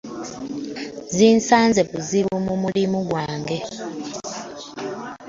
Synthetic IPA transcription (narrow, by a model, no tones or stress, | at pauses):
ziːnsaːnze̞βuziβumumulimuɡwaːŋɡe̞